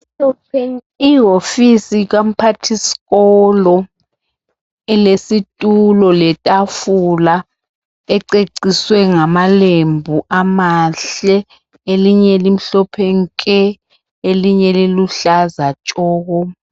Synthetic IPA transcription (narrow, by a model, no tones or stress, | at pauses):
iɦofisiɣ̬am̩pʰatʰisi̥ɣɔlɔ | ɛlesitʼulɔlɛtʼafula | ɛǀeǀiswɛŋamalembʱuʔamaɬɛ | eliɲɛlim̩ɬɔpʰeŋkʼɛ | eliɲɛliluɬazat͡ʃʼɔːɣɔ